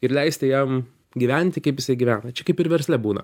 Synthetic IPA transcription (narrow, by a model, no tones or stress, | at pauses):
ɪɾlʲɛɪsʲt̪ʲɪjɛm | ɡʲiʋʲænʲt̪ʲɪkɐɪpjɪsɐɪɡʲiʋʲæːnɐt͡ʃʲɛkɐɪpɪɾʋʲɛɾʲsʲlʲɛbuːnɐ̰